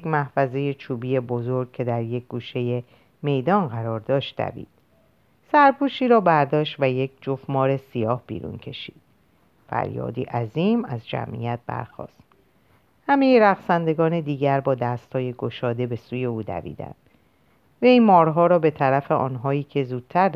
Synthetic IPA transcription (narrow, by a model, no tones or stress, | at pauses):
jekmæhfæze̞je̞t͡ʃʰuːbije̞bo̞zo̞ɾɡ̚cʰe̞d̪æɾje̞k̚ʰɡ̥uːʃe̞je̞ | me̞jd̪ɒːnɢæɾɒːɾd̪ɒːʃt̪̚d̪æ̰vḭːd̪̥̚ | sæɾpʰuːʃiːɾɒːbæɾd̪ɒːʃt̪væje̞cʰd͡ʒofmɒːɾe̞sijɒːhb̥ḭːɾṵːncʰe̞ʃḭːd̪̥̚ | fæ̰ɾjɒ̰ːd̪ḭːʔæziːmæzd͡ʒæ̰mʔḭjæt̪̚b̥æ̰ɾxɒ̰ːst̪ | hæme̞jeɾæɣsænd̪e̞ɡɒːne̞d̪iːɡæɾbɒːd̪æːst̪hɒːje̞ɡo̞ʃɒːd̪e̞be̞suːje̞uːd̪æ̰vḭːd̪æ̰nd̪̥ | veijmɒːɾɦɒːɾɒːbe̞t̪ʰæɾæfe̞ʔɒ̰ːnɦɒːiːcʰe̞zuːd̪̥̚t̪ʰæɾ